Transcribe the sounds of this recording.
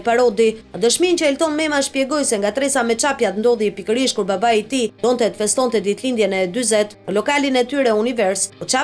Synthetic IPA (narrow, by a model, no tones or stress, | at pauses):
paɾɔd̪iad̪əʃmint͡ɕəɛlt̪ɔnmɛmaʃpjɛɡɔjsɛŋɡat̪ɾɛsamɛt͡ʃapjat̪nd̪ɔðipikəɾiʃkuɾbabait̪id̪ɔnt̪ɛt̪fɛst̪ɔnt̪ɛd̪it̪lind̪jɛnɛd̪yzɛt̪nəlɔkalinɛt̪yɾɛunivɛɾsɔt͡ʃa